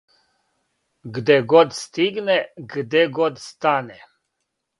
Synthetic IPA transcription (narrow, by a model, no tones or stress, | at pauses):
ɡd̪ɛɡɔd̪st̪iɡnɛɡd̪ɛɡɔd̪st̪anɛ